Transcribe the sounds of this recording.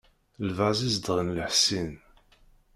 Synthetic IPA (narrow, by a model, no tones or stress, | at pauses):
lvæzizd̪əʁnləħsin